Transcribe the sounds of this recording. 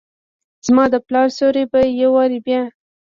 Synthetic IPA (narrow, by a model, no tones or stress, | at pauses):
z̥mɑd̪əplɑɾsoɾebajawɑɾibjɑ